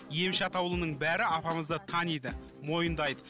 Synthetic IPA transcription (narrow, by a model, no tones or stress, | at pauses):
je̞mʃɑt̪ɑwlˠənəɴbæɾɪɑpɑməzd̪ət̪ʰɑnid̪ə | mo̞jənd̪ɑjd̪ə